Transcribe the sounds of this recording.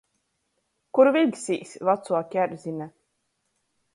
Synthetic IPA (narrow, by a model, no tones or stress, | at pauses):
kuɾvilʲksiːsvat̪suɔkʲæɾzinɛ